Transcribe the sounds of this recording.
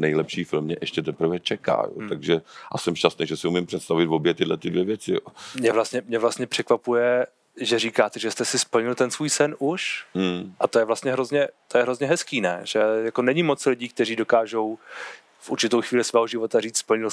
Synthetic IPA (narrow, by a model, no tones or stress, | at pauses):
nɛjlɛpʃiːfɪlmɲɛʔɛʃcɛt̪̬ɛpɾ̩vɛt͡ʃɛka̰ːjo̰t̪aɡʒɛʔa̰sɛmʃcast̪nejʒɛsɪumɪmpr̥ɛt̪st̪avɪt̪vobjɛt̪ɪdlɛt̪ɪdvjɛvjɛt͡sɪjo̰mɲɛvlast̪ɲɛmɲɛvlast̪ɲɛpr̥ɛkvapujɛ | ʒɛriːkaːt̪ɛʒɛst̪ɛsɪspl̩ɲɪlt̪ɛnsvuːjsɛnuʃm̩ʔat̪o̞jɛvlast̪ɲɛɦɾo̞zɲɛt̪o̞jɛɦɾo̞zɲɛɦɛskiːnɛʒ̥ɛjako̞nɛɲɪmot͡slɪɟiːk̚t̪ɛɾiːdo̞kaːʒo̞w | fuɾt͡ʃɪt̪owxviːlɪsvɛːɦoʒɪvo̞t̪ariːt͡sspl̩ɲɪl